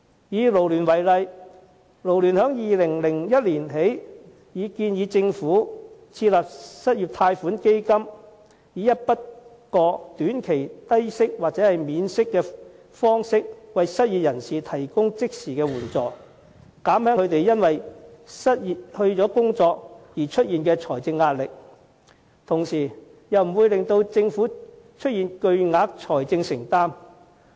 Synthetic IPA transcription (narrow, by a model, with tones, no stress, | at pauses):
jiː˨˧lo˨˩wlyː˨˩nwɐ˨˩jlɐ˨j | lo˨wlyː˨˩nɦœː˨˥ŋjiː˨lɪ˨˩ŋlɪ˨˩ŋjɐ˥t̚liː˨˩nɦe˨˥j | jiː˨˧kiː˧njiː˨˧t͡sɪ˧ŋfuː˨˥t͡sʰiː˧t̚laː˨p̚sɐ˥t̚jiː˨p̚t̪ʰaː˧jfuː˨˥nke˥jkɐ˥m | jiː˨˧jɐ˥t̚pɐ˥t̚ | kɔː˧t̪yː˨˥nkʰe˨˩jt̪ɐ˥jsɪ˥k̚waː˨k̚t͡sɛː˨˥hɐ˨jmiː˨˧nsɪ˥kːɛː˧ | fɔː˥ŋsɪ˥k̚wɐ˨jsɐ˥t̚jiː˨t̚jɐ˨˩nsiː˨˩t̪ʰɐ˨˩jkʊ˥ŋt͡sɪ˥k̚siː˨˩kɛː˧wuː˨˩nt͡sɔː˨ | kaː˨˥mhœː˥ɵ˨˧ɥt̪e˨jjɐ˥nwɐ˨jsɐ˥t̚jiː˨˧hɵ˧ɥt͡ʃɔː˨˥kʊ˥ŋt͡sɔː˧k̚jiː˨˩t͡ʃʰɵ˥t̚jiː˨nkɛː˧t͡sʰɔː˨˩jt͡sɪ˧ŋːaː˧t̚lɪ˨k̚ | t̪ʰʊ˨˩ŋsiː˨˩ | jɐ˨wm̩˨˩wuː˨˧jlɪ˨ŋt̪o˧wt͡sɪ˧ŋfuː˨˥ | t͡ʃʰɵ˥t̚jiː˨nkɵ˧ɥŋaː˧˥k̚t͡ʃʰɔː˨˩jt͡sɪ˧ŋsɪ˨˩ŋt̪aː˥m